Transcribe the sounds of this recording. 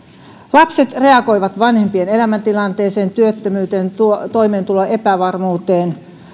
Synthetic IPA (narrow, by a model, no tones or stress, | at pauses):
lɑpse̞t̪re̞ɑko̞jʋɑt̪ʋɑnhempiene̞læmænt̪ilɑnt̪eːseːnt̪yøt̪ːømyːt̪eːnt̪uot̪o̞imeːnt̪uloʔe̞pæʋɑrmuːt̪eːn